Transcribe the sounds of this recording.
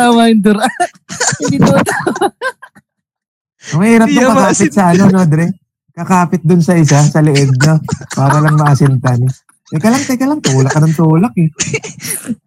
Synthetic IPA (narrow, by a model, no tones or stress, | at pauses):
awajɪnd̪ʊɾa | mɐhiːɾɐpp̚nɐŋkɐkaːpɪsɐʔɐnonod̪ɾɛ | kɐkaːpɪt̪̚d̪ʊnsɐʔɪs̬asɐlɪʔɛd̪̚ɲopaːɾɐlɐŋmɐʔɐsɪnt̪ɐnɛ | t̪ɐjkɐlɐŋt̪ɐjkɐlɐŋt̪uːlɐkːɐnɐŋt̪uːlɐk̚ɛ